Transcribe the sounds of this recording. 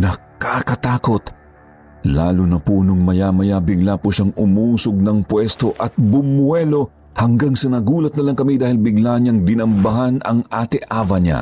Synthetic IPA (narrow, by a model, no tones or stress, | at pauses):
nɐkakɐt̪aːko̞t̪ | laːlʊnɐpunʊŋmɐjamɐjabɪɡlapʊʃaŋʊmuːsoɡ̚nɐŋpwɛst̪o̞ʔɐt̪̚bʊmwɛlo̞ | hɐŋɡaŋsɐnɐɡuːlɐt̪̚nɐlɐŋkɐmid̪aːhɪlbɪɡlaɲɐŋd̪ɪnɐmbɐɦanɐŋaːt̪ɛʔaːvɐɲa̰